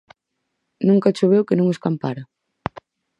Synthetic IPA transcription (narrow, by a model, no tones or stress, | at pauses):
nũŋkat͡ʃoβ̞ewkenũŋoskampaɾa